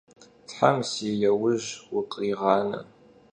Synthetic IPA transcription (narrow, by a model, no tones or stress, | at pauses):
tħamsijɐwʊʑwʊqʼiːʁɑːnɨ̰